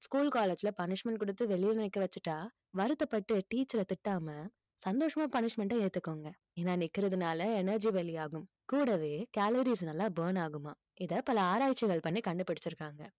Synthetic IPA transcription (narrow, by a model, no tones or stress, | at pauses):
skuːlkaːleːd͡ʒɪlɐpɐnɪʂmɛɳʈkɔɽɯt̪ːɯʋɛɭɪjɛnɪnɛkːɐʋɐt͡ʃːɯʈːaː | ʋɐɾɯt̪ːɐpːɐʈːɯʈiːt͡ʃːɐɾɐt̪ɪʈːaːmɐ | sɐnd̪oːʂɐmaːpɐnɪʂmɛɳʈɐ̃eːɽt̪ːɯkːoːŋɡɐ | eːnːaːnɪkːɪɾɐðɯnaːlɐɛnɐɾd͡ʒiʋɛɭɪjaːɣɯm | kuːɽɐʋeːkaːlɐɾis̬nɐlːãːbɐːnaːɣɯmaː | ɪðɐpɐlɐaːɾaːjt͡ʃːɪɣɐɭpɐnːikɐɳɖɯpːɐɽɪt͡ʃːɪɾɯkːaːŋɡɐ